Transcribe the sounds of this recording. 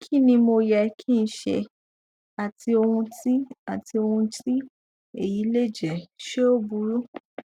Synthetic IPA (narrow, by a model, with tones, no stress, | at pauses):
kʰi˦˨nĩ˧mo˧jɛ˧˦kʰi˦˧n̩˦ʃɛ̰˧ | a˨ti˧o˧hũ˧ti˦a˨ti˧o˧hũ˧ti˦ | e˦˨ji˨˦le˦˨d͡ʒɛ˨ʃe˦o˦bu˧˦ɾu˦